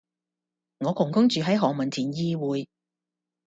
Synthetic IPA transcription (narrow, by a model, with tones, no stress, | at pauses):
ŋɔː˨˧kʊ˨˩ŋkʊ˥ŋt͡ʃyː˨˧ɦɐ˨˥jɦɔː˨ŋmɐ˨˩nt͡sʰiː˨˩njiː˧wuː˨˧j